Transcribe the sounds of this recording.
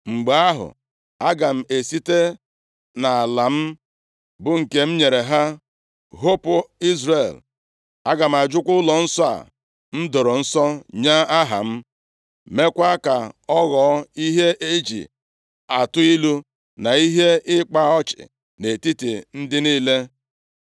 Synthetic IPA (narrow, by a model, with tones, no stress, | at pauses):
ŋ͡m̩˨ɡ͡ba˨a˦ɦʊ̰˨ | a˦ɡa˨m̩˨e˨si˦te˦ | na˨a˨la˨m̩˦ | bʊ˦ŋ̩˨ke˨m̩˦ɲe˨ɾe˨ɦa˦ | ɦo˦pʊ˨i˦zɾe˨l | a˦ɡa˨m̩˨a˨d͡ʒʊ˦kʷʊ˦lɔ˨n̩˦sɔ˦a̰˨ | n̩˦do˨ɾo˨n̩˦sɔ˦ɲa˦a˦ɦa̰˨m̩˦ | me˦kʷa˦ka˨ɔ˦ɣɔ˨˦i˦ɦe˦ʔe˦d͡ʒḭ˨ | a˨tʊ˦i˦lu˦ | na˨i˦ɦe˦ɪ˦k͡pa˦ɔ˦t͡ʃɪ̰˨ | ne˨ti˦ti˨n̩˦dɪ˦niː˦le˦